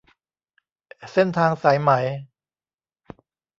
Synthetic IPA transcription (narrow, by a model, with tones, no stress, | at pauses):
se˥˩nt̪ʰaː˧ŋsa˩˦jma˩˦j